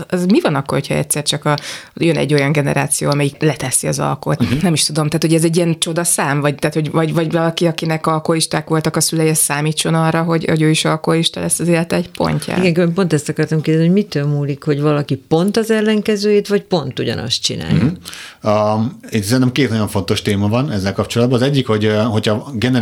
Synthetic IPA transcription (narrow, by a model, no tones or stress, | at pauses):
zmivɒnɒkːo̞rhocʰhɒɛ̰t̪sɛrt͡ʃɒkɒjønɛ̰ɟːo̞jɒŋɡɛnɛɾaːt̪sijo̰ːɒmɛjiklɛt̪ɛsiɒzɒ̰lko̰t̪nɛmiʃt̪ud̪o̞mt̪aːt̪hoɟɛzɛɟːiɛnt͡ʃo̞d̪ɒsaːmvɒɟ̚t̪aːt̪ho̞ɟvɒɟvɒɟvɒlɒkiɒkinɛkɒlkoliʃt̪aːkʋo̞lt̪ɒkɒsylɛjɛssːaːmiːt͡ʃːo̞nɒrːɒɦo̞ɟo̰ɟøːiʃɒlkooliʃt̪ɒlɛst̪ɒzeːlɛt̪ɛɛcpo̞̰ɲcʰa̰eɡɛŋkebɛmpo̞nt̪ɛst̪ɒkɒrt̪ɒmkeːd̪zɛiɟmit̪øːmuːlikho̞ɟvɒlɒkipo̞nt̪ɒzɛlːɛŋkɛzøːjet̪vɒcpo̞nt̪uɟɒ̰nɒ̰st̪t͡ʃḭna̰ːj | et̪sɛnt̪ɛmkeːt̪nɒɟo̞ɱfo̞nt̪o̞ʃt̪eːmɒvɒnɛzːɛlkɒpt͡ʃo̞lɒd̪bɒnːɒzɛɟːikhoɟɦo̞cʰɒɡɛnɛ